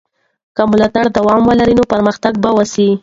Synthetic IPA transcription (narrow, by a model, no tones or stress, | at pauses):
kamʊlɑt̪aɽd̪awɑmwəlaɾinopaɾməxt̪aɡ̚bawasi